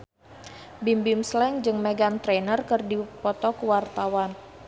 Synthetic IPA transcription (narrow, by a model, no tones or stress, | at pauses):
bimbimslɛŋd͡ʒɨŋmɛɡant̪ɾenərkɨrdipɔt̪ɔkəwart̪awan